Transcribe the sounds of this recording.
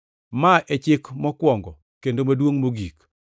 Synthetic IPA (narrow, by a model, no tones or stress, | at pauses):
maʔɛt͡ʃɪkmɔkwɔŋɡɔ | kendomadwoŋmoɡik